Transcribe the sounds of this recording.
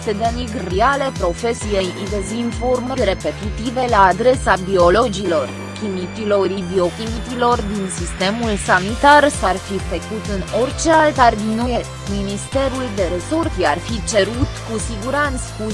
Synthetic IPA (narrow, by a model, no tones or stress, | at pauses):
sed̪eniɡriale̞pɾo̞fe̞sije̞jid̪ezinformlɾe̞pe̞t̪it̪ive̞laːd̪ɾe̞sabio̞lo̞d͡ʒilo̞r | kʲimit̪ilo̞ɾibio̞kʲimit̪ilo̞rd̪insist̪e̞mulsanit̪arsarfifəkut̪ɨno̞rt͡ʃe̞alt̪ard̪inuje | minist̪e̞ɾuld̪e̞ɾe̞sorsiearfit͡ʃe̞ɾut̪kusiɡuɾant̪spu